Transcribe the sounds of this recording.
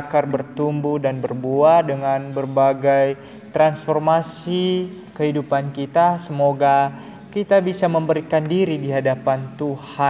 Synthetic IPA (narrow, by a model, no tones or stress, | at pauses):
karbərt̪umbudanbərbuadəŋanbərbaɡaj | t̪ɾansformasi | kəɦidupankit̪asəmoɡa | kit̪abisaməmbəɾikandiɾidiɦadapant̪uha